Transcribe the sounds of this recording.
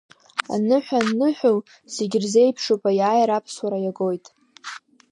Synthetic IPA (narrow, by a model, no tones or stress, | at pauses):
a̰nɨħʷᶣanɨħʷᶣʊl | seɡʲrzejpʰʂupʼajaːjaɾapʰswaɾajaɡo̞jtʼ